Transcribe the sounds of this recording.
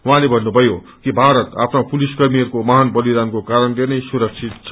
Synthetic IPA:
waɦãlebʱʌnːubʱʌjo | kibʱaɾʌt̪apʰnapuliskʌrmiʌɾkomaɦanbʌlid̪ankokaɾʌnlenʌjsuɾʌk̚t͡sʰit̪t͡sʰʌ

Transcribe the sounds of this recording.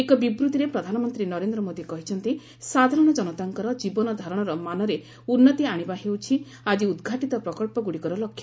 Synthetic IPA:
ekɔbibɾut̪iɾepɾɔd̪ʱanɔmɔnt̪ɾinɔɾend̪ɾɔmod̪ʱiekɔɦit͡ʃʰɔnt̪i | sad̪ʱaɾɔɽ̃ɔd͡ʒɔnɔt̪aŋkɔɾɔd͡ʒibɔnɔd̪ʱaɾɔɽ̃ɔɾɔmanɔɾe | unːɔt̪iaɽ̃ibaɦewt͡ʃʰi | ad͡ʒiud̪ɡʱaʈit̪ɔpɾɔkɔlpɔɡuɽikɔɾɔlɔkʰːjɔ

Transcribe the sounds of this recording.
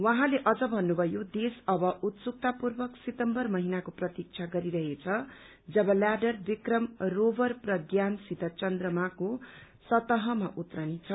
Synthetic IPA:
waɦãleʔʌd͡zʌbʱʌnːubʱʌjod̪esʌbʌʔut̪suk̚t̪apurbʌksit̪ʌmbʌrmʌɦinakoprʌt̪ik̚t͡sʰaɡʌɾiɾʌɦet͡sʰʌ | d͡zʌbʌlaɖʌrbikrʌmrobʌrprʌɡjansit̪ʌt͡sʌnd̪rʌmako | sʌt̪ʌɦʌmaʔut̪rʌnit͡sʰʌ

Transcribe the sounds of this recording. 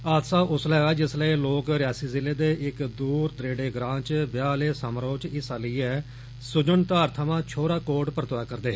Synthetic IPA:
aːd̪saːʔʊslɛːɡaːd͡ʒɪsləiːloːkɾɪjaːsiːzɪleːd̪eːʔɪkd̪uːɾd̪ɾeːɖeːɡɾãːt͡ʃbjaːleːsamɾoːt͡ʃɪsaːləiːɛː | sʊd͡ʒəɳt̪aːɾt̪ʰəmãːt͡ʃʰoːɾaːkoːʈpəɾət̪ːaːkəɾd̪eːɦ

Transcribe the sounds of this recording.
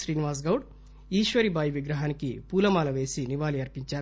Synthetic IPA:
ʃɾiːniʋaːs̬ɡɐwɽ | iːʃʋɐɾibaːjiʋiɡɾɐɦaːnikipuːlɐmaːlɐʋe̞ːsiniʋaːliɐɾpiɲt͡ʃaːɾu

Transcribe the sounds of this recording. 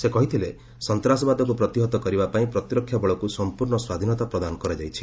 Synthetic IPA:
sekɔɦit̪ʰile | sɔnt̪ɾasɔbad̪ɔk̬upɾɔt̪iɦɔt̪ɔkɔɾibapaĩpɾɔt̪iɾɔkʰːjabɔɭɔkusɔmpuɾɳɔswad̪ʱinɔt̪apɾɔd̪anɔkɔɾed͡ʒajt͡ʃʰi̥

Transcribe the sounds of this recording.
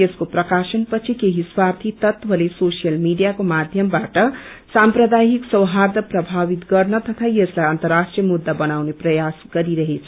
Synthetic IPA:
eskoprʌkasʌnpʌt͡sʰikeɦiswart̪ʰit̪ʌt̪bʱʌlesosijʌlmiɖijakomad̪ʱjʌmbaʈʌ | samprʌd̪aɦiksʌwɦard̪ʌprʌbʱabit̪ɡʌrnʌt̪ʌt̪ʰaieslajʌnt̪ʌrasʈrijʌmud̪ːabʌnawneprʌjasɡ̥ʌɾiɾʌɦet͡sʰʌ

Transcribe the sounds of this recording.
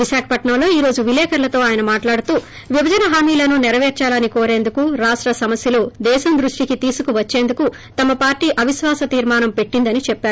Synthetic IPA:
ʋiʃaːkʰɐ̥pɐʈɳɐmlo̞ːiːɾo̞ːd͡ʒuʋilɛːkʰɐɾlɐt̪o̞ːaːjɐnɐmaːʈlaːɽut̪uː | ʋibʱɐd͡ʒɐnɐɦaːmiːlɐnunɛɾɐʋeːɾt͡ʃaːlɐniko̞ːɾe̞ːnd̪ukuɾaːʂʈɾɐsɐmɐsjɐloːd̪ɛːʃɐnd̪ɾuʂʈikit̪iːsukuʋɐt͡ʃːe̞ːnd̪uku | t̪ɐmɐpaːɾʈiːʔɐʋiʃʋaːsɐt̪iːɾmaːnɐmpe̞ʈːind̪ɐnit͡ʃɛpːaːɾu

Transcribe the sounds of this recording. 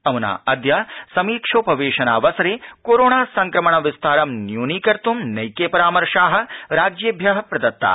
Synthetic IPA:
ɐmuna̰ːɐd̪jaːsɐmiːkʂoːpɐʋeːʃɐnaːʋɐsɐɾeːkoːɾoːɳaːsɐŋkɾɐmɐɳɐʋist̪ʰaːɾɐmnjuːniːkɐɾt̪umnɐjkeːpɐɾaːmɐɾʂaːɦɐ̆ɾaːd͡ʒjeːbʱjɐɦɐ̆pɾɐd̪ɐt̪ːa̰ː

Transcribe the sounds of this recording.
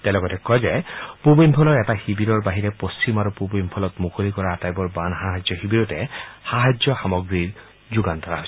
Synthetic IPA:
tɛlɔɡɔtɛkːɔjzɛpubimpʰɔlɔɹɛtaxibiɾɔɹbaɦiɹɛpost͡ʃimaɹupubimpʰɔlɔtmukʰolikɔɹaatajbɔɹbanxaɦazjɔxibiɾɔtɛxaɦad͡ʒzjɔxamɔɡɹiɹ | zuɡantɔɹa̰ɦojs

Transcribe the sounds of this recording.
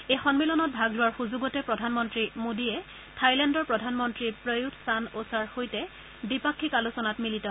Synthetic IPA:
ejxɔnmilɔnɔt̚bʱaɡlʊwaɹxuzuɡɔtɛpɹɔdʱanmɔntɹimodiɛ | tʰajlɛndɔɹpɹɔdʱanmɔntɹipɹojutʰsanosaɹxojtɛ | bipakʰːikalusɔnatmilitɔ

